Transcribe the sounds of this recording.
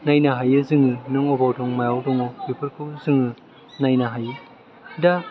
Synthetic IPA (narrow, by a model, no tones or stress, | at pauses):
najnaɦajɯzɯŋɯnɯŋɔbawdɔŋmajawdɔŋɔbipʰɯɾkʰɯzɯŋɯ | najnaɦajɯ | da